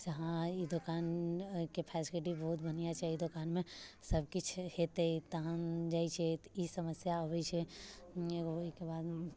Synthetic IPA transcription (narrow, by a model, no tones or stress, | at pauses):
d͡ʒɐɦãid̪ʊkaːnkepʰɛːsɪlɪʈ̬ibɐɦʊt̪bɐnijat͡ʃʰɛid̪ʊkaːnmẽsɐb̚kɪt͡ʃʰheːt̪eit̪ɐɦãnd͡ʒaːit͡ʃʰeisɐməsjaɦoit͡ʃʰɛ | oikebaːd̪